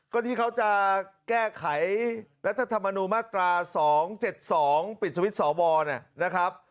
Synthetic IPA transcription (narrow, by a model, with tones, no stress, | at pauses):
kɔ˥˩t̪ʰiː˥˩kʰa˦˥wt͡ɕa˨˩kɛː˥˩kʰa˩˦jɾa˦˥t̪ʰːa˧t̪ʰa˧mːa˧nuː˧nmaː˥˩t̪ɾaː˧sɔː˩˦ŋt͡ɕe˨˩t̪̚sɔː˩˦ŋpi˨˩t̪̚sʰa˧˦i˦˥t̪̚sɔː˩˦wɔː˧ni˥˩na˦˥kʰɾa˦˥p̚